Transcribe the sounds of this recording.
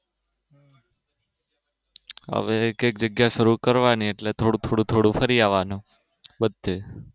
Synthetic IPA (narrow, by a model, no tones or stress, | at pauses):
ɦə̰ʋekek̚d͡ʒəɡjaʃəɾukəɾʋanieʈlet̪ʰoɽũt̪ʰoɽũt̪ʰoɽũfəɾiaʋanũ | bəd̪ʱːe